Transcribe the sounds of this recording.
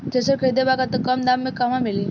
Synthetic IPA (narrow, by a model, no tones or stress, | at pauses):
t̪esəkʰed̪ebaɡat̪əkəmd̪amːikamamili